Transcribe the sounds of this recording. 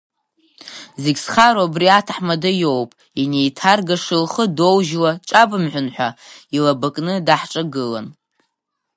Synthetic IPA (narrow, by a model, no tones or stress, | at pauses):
zeɡʲsχaɾobriatʰaħmadɨjo̞wpʼ | ine̞jtʰarɡaʂɨlχədo̞wʒlaʈ͡ʂʼabɨmħʷᶣʊnħʷᶣailabakʼnɨdaħʈ͡ʂʼaɡɨla̰n